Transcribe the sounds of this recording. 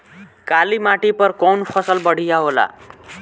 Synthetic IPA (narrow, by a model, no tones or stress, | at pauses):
kalimaʈipəɾkɔnfʰəsəlbəɽ̤ijaɦola̰